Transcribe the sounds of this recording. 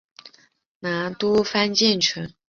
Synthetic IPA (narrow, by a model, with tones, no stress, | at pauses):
na˧˥t̪u˥fa˥nt͡ɕjɛ˥˩nʈ͡ʂʰə˧˥ŋ